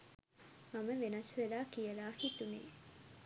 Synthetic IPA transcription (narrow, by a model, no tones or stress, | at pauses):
maməʋenɐsʋelaːkijəlaːhit̪unḛː